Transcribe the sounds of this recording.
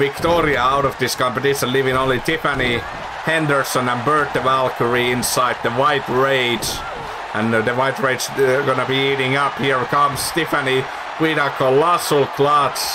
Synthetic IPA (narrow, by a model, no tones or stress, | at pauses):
vɪk̚tɔɹiəaʊɾʌvðɪskɑ̃mpɨtɪʃə̃nlivɪ̃ŋõʊ̃nlitʰɪfəni | hɛ̃ndə˞sə̃nə̃nbɜ˞t̪̚əvælˠkʰəɹiɪ̃nsaɪd̪̚ðəwaɪtɹeɪd͡ʒ | ə̃nðəwaɪtɹeɪd͡ʒɡonəbiiɾɪ̃ŋʌphiɹkʰʌmstɪfəni | wiɾəkʰəlɑsl̩ˠkʰlɑts